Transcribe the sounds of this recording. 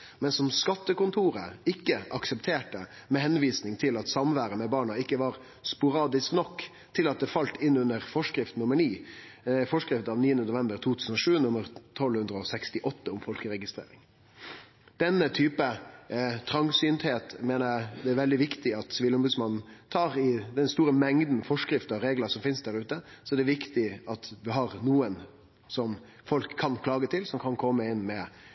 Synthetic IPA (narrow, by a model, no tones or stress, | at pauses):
mɛnsɔmskɑt̪ːəkʊnt̪ʰuːɾə̰ɪkːəʔɑksəpt̪ʰeːʈə | mɛhɛnʋiːsnɪŋt̪ʰɪlɑt̪sɑmʋæːɾəmɛbɑːɳɑɪkːəʋɑɾ | spʊɾɑːd̪ɪsknɔkː | t̪ʰɪlɑt̪̚d̪ɛfɑlt̪ɪnːʉnəɾfɔʂkɾɪft̪n̩ʊmːəɳiː | fɔʂkɾɪft̪ɑʋniːənd̪ənʊʋɛmbəɾt̪ʰuːt̪ʰʉːsən̩ɔʂʉːnʊmːəɾt̪ʰɔlhʉnd̪ɾəɔsɛkst̪ɪʔɔt̪ːəʊmfɔlkəɾɛɡɪst̪ɾḛːɾɪŋ | d̪̥ɛnːət̪ʰyːpə | t̪ʰɾɑŋsyːnt̪heːt̪meːnəɾæd̪ɛæɾʋɛld̪ɪʋɪkt̪ɪɑt̪sʋiːlɔmbʉd̪smɑnn̩t̪ʰɑːɾɪd̪ɛnst̪uːɾəmɛŋd̪n̩fɔʂkɾɪft̪əɑɾeːɡləsɔmfɪnsd̪æɾʉːt̪əsɔd̪ɛɾʋɪkt̪ɪɑt̪ʋɪɦɑɾnuːən | sɔm | fɔlkʰːɑnkʰlɑːɡət̪ʰɪlsɔmkʰɑnkʰɔmːəɪnːmɛ